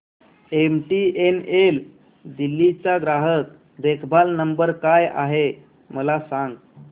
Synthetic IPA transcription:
emʈienel | d̪ilːit͡saɡɾaɦət̪̚ | d̪ekʰbʱalnəmbəɾkaja̰ɦe | məlasaŋɡ

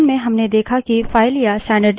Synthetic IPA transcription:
nmẽɦɐmned̪eːkʰakifaːɪlijasʈɛ̃ːɳɖəɾɖ

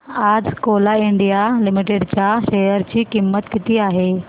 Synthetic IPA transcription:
ad͡zkolaɪɳɖijalɪmiʈeɖt͡ɕjaʃejəɾt͡ɕiːkɪmːət̪kɪt̪iaːɦe

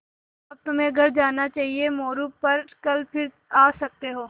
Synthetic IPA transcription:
ɐb̚t̪ʊmɦẽɡʱɐɾd͡ʒaːnat͡ʃaːɦiemɔːɾuppɐɾkɐlpʰɪɾ | aːsɐk̚t̪eɦoː

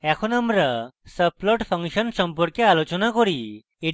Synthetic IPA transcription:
ɛkʰonamɾasəplɔʈpʰəŋʃɔnsɔmpoɾkealot͡ɕonakoɾi | e

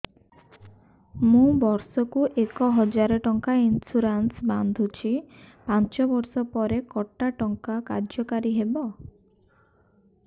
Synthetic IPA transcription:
mũbɔɾsɔkuʔekɔɦɔd͡ʒaɾɔʈɔŋkainsuɾansband̪ʱut͡ʃʰipant͡ʃɔbɔɾsɔpɔɾekɔʈːaʈɔŋkaka̰ɾd͡ʒɔkaɾiɦebɔ

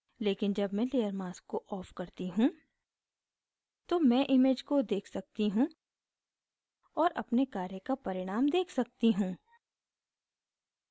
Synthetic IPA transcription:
leːkɪnd͡ʒɐbmɛ̃leːəɾmaːskːoʔɔːfkɐɾt̪iɦũ | t̪omɛ̃ʔɪmeːd͡ʒkod̪eːkʰsɐk̚t̪iɦũ | ɔːɾɐpnekaːɾjəkapɐɾɪɽ̃aːmd̪eːkʰsɐk̚t̪iɦũː

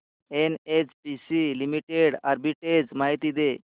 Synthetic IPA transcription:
enet͡spisilimiʈeɽaɾbiʈed͡zmaɦit̪id̪e

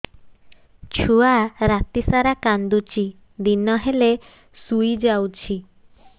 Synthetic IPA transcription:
t͡ʃʰuaɾat̪isaɾakand̪ut͡ʃʰi | d̪inɔɦele | sujd͡ʒawt͡ʃʰi

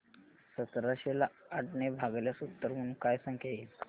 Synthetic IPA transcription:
sət̪ɾaɕelaːʈnebʱaɡljasut̪ːəɾm̤əɽ̃ũːnkajsəŋkʰeil

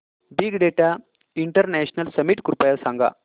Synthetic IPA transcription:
biɡɖeʈa | iɳʈəɾnɛɕnɐlsɐmiʈkuɾpɐjɐsaŋɡa̰

